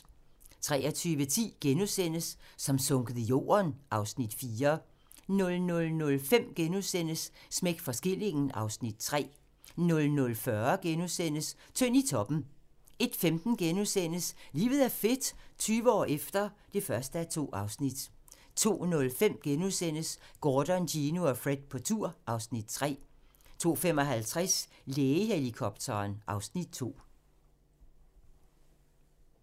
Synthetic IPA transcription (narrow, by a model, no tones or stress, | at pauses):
t͡sʰʁɛːɒt͡sʰyːʋət͡sʰḭːɡ̥enusen̰əsːɒ̽msɔ̽ŋɡ̥əð̩ˠijo̝̰ːɐnʔɑ̈ʊsnid̥fiːɐ | nɔ̽lnɔ̽lnɔ̽lfem̰ɡ̥enusen̰əsːmeɡ̥fɒ̽sɡ̥e̝l̰e̝ŋn̩ʔɑ̈ʊsnid̥̚t͡sʰʁɛ̰ː | nɔ̽lnɔ̽lfɶɐɡ̥enusen̰əst͡sʰøn̰it͡sʰɒ̽b̥n̩e̝d̥femd̥n̩ɡ̥enusen̰əsliːʋð̞̩ˠæɐfe̝d̥t͡sʰyːʋəɒ̰ːefd̥ɐ | d̥e̝fɶɐsd̥əæt͡sʰo̝̰ːʔɑ̈ʊsnid̥ | t͡sʰo̝̰ːnɔ̽lfem̰ɡ̥enuðˠsen̰əsɡ̥ɒːd̥ɒndinuɒfʁed̥̚pʰɒ̽t͡sʰuɐ̰ʔɑ̈ʊsnid̥t͡sʰʁɛ̰ː | t͡sʰo̝̰ːfemɒ̽ɦælt͡sʰʁɛs | leːəɦelikʰɒ̽b̥̚t͡sʰɐːnʔɑ̈ʊsnid̥̚t͡sʰo̝̰ː